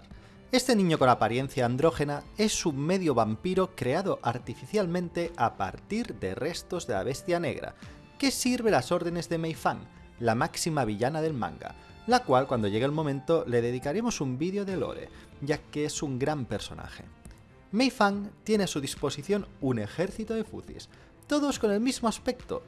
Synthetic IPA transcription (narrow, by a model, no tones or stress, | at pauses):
e̞st̪enĩɲo̞ko̞napaɾje̞n̟θjaːnd̪ɾo̞xe̞nae̞summːe̞ðjo̞βampiɾokɾe̞aðo̞ʔaɾt̪ifiθjalmẽ̞nt̪e̞apa̰ɾt̪iɾðe̞̰re̞st̪ozðe̞la̰βe̞st̪jane̞̰ɣɾa̰ | ke̞siɾβ̞elaso̞ɾðe̞ne̞zðe̞mejfaŋ | lamaksimaβ̞iʎanaðe̞lmã̰ŋɡa̰ | lakwalkwand̪o̞ʝe̞ɣelmo̞mẽnt̪ole̞ðeðikaɾemo̞sumbiðjoðelo̰ɾḛ | ɟ͡ʝakeesuŋɡɾampeɾso̞̰na̰xe̞̰ | mejfaŋt̪je̞neasuðispo̞siθjo̞nune̞xeɾθit̪oðe̞fṵθḭs | t̪o̞ðo̞skone̞lmizmoaspe̞k̚t̪o̰